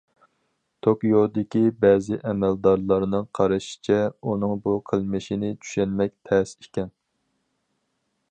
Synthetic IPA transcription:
t̪ʰokjod̪ɪkʲibɛːzɪʔɛmɛld̪ɑɾlˠɑɾnɨŋqʰɑɾɨʃi̥t͡ʃʰɛunɨŋbuqʰəlˠmɨʃinɪt͡ʃʰy̥ʃɛnmɛk̚ʲt̪ʰɛsekʲɛn

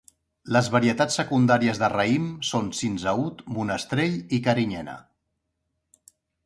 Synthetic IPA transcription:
ləzβəɾiət̪at͡sːəkund̪aɾiəzðərəimsonsinzəut̪munəst̪ɾeʎikəɾiɲɛnə̰

